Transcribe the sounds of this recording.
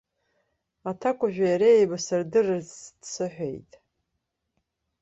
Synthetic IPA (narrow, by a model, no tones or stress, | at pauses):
atʰakʷʼaʒᶣʷajaɾejbasɨrdɨrɨzd̥sɨħʷḛjtʼ